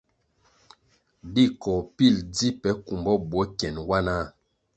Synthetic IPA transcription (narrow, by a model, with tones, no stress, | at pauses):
di˦˨kɔ˨pi˦˨ld͡zi˦pɛ˨˦ku˨mbɔ˦bwɔ˨˦kɛ˨nwa˦na˦